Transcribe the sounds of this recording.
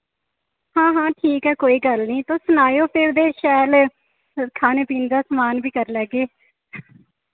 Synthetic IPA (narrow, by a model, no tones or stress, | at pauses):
hãːɦãːʈʰiːkɦɛːkoːiːɡəlnĩːt̪õːsʊnaːjoːpʰɪɾd̪eːʃɛːl | kʰaːneːpiːnd̪aːsəmaːnbiːkəɾlɛːɡeː